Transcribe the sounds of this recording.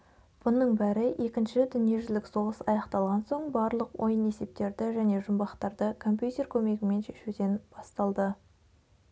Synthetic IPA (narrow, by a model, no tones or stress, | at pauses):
b̥ʊnəɴbæɾɪʔe̞kʲɪnʃɪd̪ʏnije̞ʒʏzlɪkso̞ʁəsɑjɑqt̪ɑlˠʁɑnso̞ɴbɑɾlˠəqwʔo̞̰jəne̞se̞p̚t̪e̞ɾd̪ɪʒæne̞ʒʊmbɑχt̪ɑɾd̪əkʰo̞mp̬ʲjut̪ʲe̞rkʲʰɵme̞ɡʲɪme̞nʃe̞ʃud̪e̞nb̥ɑst̪ɑlˠd̪ə